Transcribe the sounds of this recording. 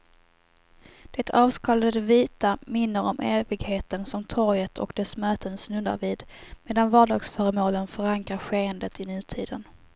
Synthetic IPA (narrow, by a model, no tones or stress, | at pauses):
d̪̥ɛt̪ʰɑːvskɑːlad̪əviːt̪amɪnːəɾɔmʔeːvɪɡheːt̪ənsɔmt̪ʰɔɾjət̪ʰɔ̰kd̪ɛsmœːt̪ənsnɵnːa̰ɾviːd̪meːd̪anvɑːɖɑ̰ːɡsfœːɾəmoːlənfœɾaŋkɾaɾɧeːənd̪ət̪ɪnʉ̟ːt̪ʰiːd̪ən